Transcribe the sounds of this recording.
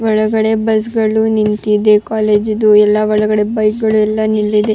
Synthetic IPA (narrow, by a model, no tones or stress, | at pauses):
ʋɔɭɐɡɐɽe̞bɐs̬ɡɐɭunint̪id̪e̞kaːleːd͡ʒud̪uɛlːɐʋɔɭɐɡɐɽe̞bɐjk̚ɡɐɭuɛlːɐnilːid̪e